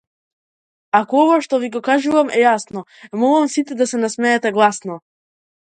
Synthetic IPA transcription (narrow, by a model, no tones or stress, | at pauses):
akɔɔvaʃt̪ɔviɡɔkaʒuvamɛjasnɔ | mɔlˠamsit̪ɛd̪asɛnasmɛːt̪ɛɡlˠasnɔ